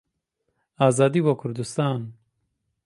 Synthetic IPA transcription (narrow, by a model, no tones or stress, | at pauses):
aːzaːd̪iːboːkʰʊɾd̪ust̪aːn